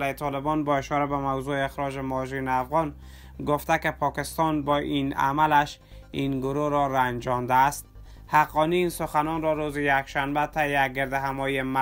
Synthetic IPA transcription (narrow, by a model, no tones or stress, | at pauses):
laet̪ʰɒlebɔnbɔeʃɔɾabamawzoeexɾɔd͡ʒemɒʒineafɣɔn | ɡoft̪ækepʰɒkɪst̪ɒnbɔʔina̰malaʃ | inɡʊɾoɾɔɾand͡ʒɒnd̪aːst̪̚ | haqːɒniːnsʊxanɔnɾɔɾozijakʃanbat̪ʰæjeæɡeɾd̪ɪɦamɔjema